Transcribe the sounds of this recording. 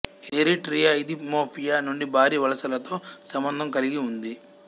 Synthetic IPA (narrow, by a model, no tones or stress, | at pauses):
eɾiʈɾijaːjid̪imoːpʰijaːnuɳɖibʱaːɾiːʋɐlɐsɐlɐt̪o̞ːsɐmbɐnd̪ʱɐmkɐliɡiund̪i